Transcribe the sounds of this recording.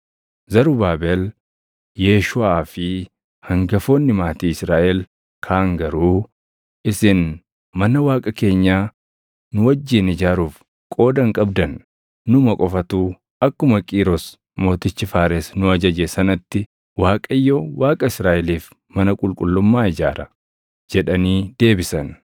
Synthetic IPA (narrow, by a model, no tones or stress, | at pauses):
zɐɾʊbaːbel | jeːʃʊaːfɪ | hɐŋɡɐfo̞ːnːɪmaːt̪iːɪsɾaːʔɛl | kʰaːŋɡɐɾuː | ʔɪsɪn | mɐnɐwaːkʼɐke̞ːɲːaː | nʊwɐd͡ʒːiːnɪd͡ʒaːɾuːf | kʼo̞ːd̪ɐŋkʼɐbd̪ɐnː | ʊmɐkʼɔfɐt̪uː | ɐkːʊmɐkʼiːɾɔs | mo̞ːt̪ɪt͡ʃːɪfaːɾesnʊɐd͡ʒɐd͡ʒesɐnɐt̪ːɪ | waːkʼɐjːɔwaːkʼɐɪsɾaːʔɛliːf | mɐnɐkʼʊlkʼʊlːʊmːaːɪd͡ʒa̰ːɾɐ | d͡ʒɛᶑɐniːd̪e̞ːbɪsɐn